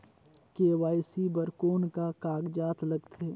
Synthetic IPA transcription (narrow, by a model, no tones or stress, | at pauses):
keːʋaːsibɐɾkoːnkakaːɡd͡ʒaːt̪ʰlɐɡt̪ʰeː